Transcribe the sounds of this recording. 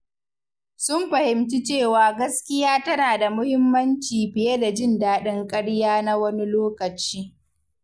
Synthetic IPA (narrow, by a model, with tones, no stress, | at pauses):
sʊ˦mɸɐ˨hɪ˨mt͡ʃi˦t͡ʃeː˦˨waː˨ɡɐ˦skʲɪ˦jaː˦tɐ˦naː˨da˨mʊ˦hɪ˦mːɐ˦nt͡ʃiː˨ɸɪ˨je˦da˨d͡ʒɪ˦˨ndaː˦ɗɪ˦ŋkʼɐ˦ɽjaː˦na˦wɐ˦ni˦loː˦kɐ˨t͡ʃiː˦